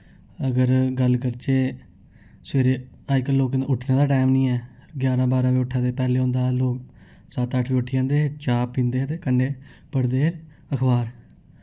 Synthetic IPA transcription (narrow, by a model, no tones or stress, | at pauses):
əɡəɾɡəlkəɾt͡ʃeː | sʋeːɾeː | aːɪkːəloːkʊʈʰnẽːd̪aːʈaːmnĩːɛː | ɡjaːɾãːbaːɾãːʋiːʊʈʰːãːt̪eːpɛːleːɦõːnd̪aːloːk | saːt̪əʈʰʋiːʊʈʰːiːd͡ʒãːnd̪eːt͡ʃaːpːĩːnd̪eːɦt̪eːkəɳɖeː | pəɽd̪eː | əkʰbaːɾ